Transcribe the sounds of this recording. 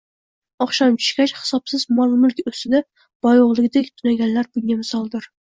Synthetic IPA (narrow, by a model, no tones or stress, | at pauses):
ɑχʃɑnt͡ʃʰy̥ʃkʲɛt͡ʃχɨ̥sɑpsɨzmɑlˠmʊlkʲøst̪ɪd̪ɛ | b̥ɑjoʁlˠɨɡʲɪd̪ekʲt̪ʰʊnæɡʲɛnlæɾbʊŋɡʲɛmɨsɑlˠd̪ɨɾ